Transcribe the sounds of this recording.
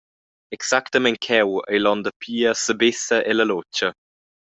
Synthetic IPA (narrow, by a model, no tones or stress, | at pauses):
ɛksakt̪əmɛnkʰɛwə̰jlɔnd̪əpʰiːəsəbɪsəʔeləlot͡ʃə